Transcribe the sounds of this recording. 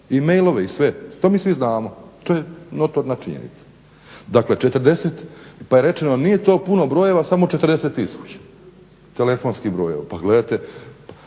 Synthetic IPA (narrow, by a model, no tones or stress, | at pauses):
ime̞jlˠo̞ʋeisʋe̞t̪oːmiːsʋiznaːmot̪oːjeno̞t̪oɾnat͡ʃiɲḛnḭt̪sḁ | d̪akle̞t͡ʃe̞t̪ɾ̩d̪e̞set̪paje̞ɾe̞t͡ʃenonije̞t̪o̞ːpuno̞bɾo̞ːje̞ʋasamo̞t͡ʃet̪r̩d̪eset̪isut͡ɕḁ | t̪ele̞fo̞ːnskibɾoːje̞̰ʋa̰paɡle̞d̪at̪e